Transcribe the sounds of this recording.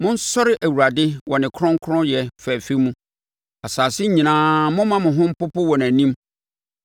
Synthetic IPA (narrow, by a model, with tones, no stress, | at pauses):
mʊ̃˦n̩˦sɔ˦ɾɪ˦ʔæ˨wu˨ɾa˨dɪ˦wɔ˨nɪ̃˨kʰɾɔ̃˦ŋ˦kʰɾɔ̃˦jɛ˨fɛ˨fe˦mũ˦ | a˨saː˨sɪ˦ɲĩ˨nãː˨˦mʊ̃˦mã˦mʊ̃˨ɦʊ̃˦m̩˦pʊ˦pʊ˦wɔ̃˨næ̃˨nĩ˦m